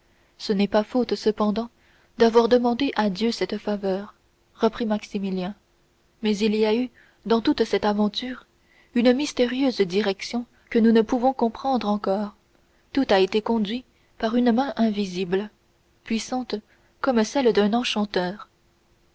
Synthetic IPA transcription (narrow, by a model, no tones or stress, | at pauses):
sənɛpafot̪səpɑ̃d̪ɑ̃ | d̪avwaʁd̪əmɑ̃d̪eʔad̪jøsɛt̪favœːʁ | ʁəpχimaksimiljɛ̃ | mɛziliay | d̪ɑ̃t̪ut̪sɛt̪avɑ̃t̪yːʁ | ynəmist̪eʁjøːzd̪iʁɛksjɔ̃ | kənunəpuvɔ̃kɔ̃pχɑ̃d̪ʁɑ̃kɔːʁ | t̪ut̪aet̪ekɔ̃d̪ɥi | paʁynəmɛ̃ʔɛ̃vizibl | pɥisɑ̃t̪ | kɔmsɛld̪œ̃nɑ̃ʃɑ̃t̪œːʁ